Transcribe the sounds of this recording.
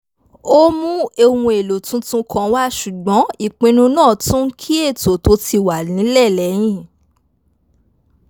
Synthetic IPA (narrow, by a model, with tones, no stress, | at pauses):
o˦mũ˦e˧wũ˧e˨lo˨tũ˨˦tũ˧˦kʰã˧wa˦ʃu˨ɡ͡bɔ̃˨˦i˦˨k͡pĩ˧nũ˧nãː˦˨tũ˦kʰi˦e˦˨to˨to˨˦ti˧wa˨nĩ˨˦lɛ˦˨lɛ˨˦j̃ĩ˦˨